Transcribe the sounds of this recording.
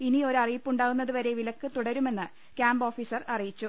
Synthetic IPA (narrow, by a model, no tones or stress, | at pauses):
inio̞ɾɐrijipːuɳɖaːɣunːɐðɨʋɐɾe̞ʋilɐkːɨt̪uɽɐɾume̞nːɨ | kʲaːmbo̞ːfiːsɐrɐrijit͡ɕːu